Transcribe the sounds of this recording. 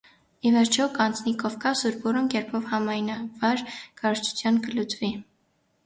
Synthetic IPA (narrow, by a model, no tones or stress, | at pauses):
ivɛɾt͡ʃʰɔkɑnt͡snikɔvkɑsuɾbɔɾɔnkɛɾpʰɔvhɑmɑjnɑvɑɾkɑɾt͡ʃʰu̥t͡sʰjɑnkəlut͡svi